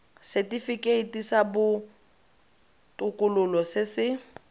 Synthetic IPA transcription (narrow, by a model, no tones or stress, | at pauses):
sɛtʼifikʼeitʼisabʊ | tʼʊkʼʊlʊlɔsɪsɪ